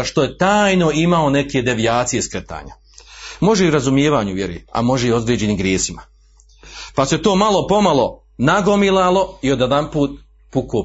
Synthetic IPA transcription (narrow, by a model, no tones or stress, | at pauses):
ʃt̪o̞je̞t̪aːjno̞imao̞ne̞ke̞d̪e̞ʋijaːt̪sije̞skɾet̪a̰ːɲa̰ | mo̞ʒeiɾazumjeːʋaːɲuʋjeɾḛa̰mo̞ʒeio̞d̪ɾeːd͡ʑe̞nimɡɾjeːsima | paset̪o̞ːmalo̞po̞malˠo̞ | naɡomilˠalˠo̞io̞d̪ed̪anpuːt̪̚ | puko